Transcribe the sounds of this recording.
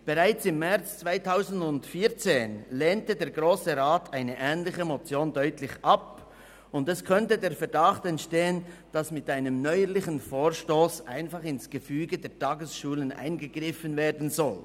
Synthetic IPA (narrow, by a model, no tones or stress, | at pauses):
b̥əʁaɪt͡sɪmːɛʁt͡st͡sv̥aɪtʰaʊzn̩dʊntfiːt͡seːnleːntədeːɾɡʁoːsəʁaːtʰaɪnəʔɛːnlɪçəmot͡sjoːndœʏtlɪçʔɑp | ʊndɛskʰœntədeːɾfɛɐdaχtɛntʃteːənd̥asmɪtaɪnəmnɔʏəlɪçənfoːɹʃtoːsʔa̰ɪnfɑχɪnsɡ̥əfyːɡədeːtʰɑːɡəsʃuːlənʔa̰ɪnɡəɡ̥ʁɪfənveːɐdn̩zɔl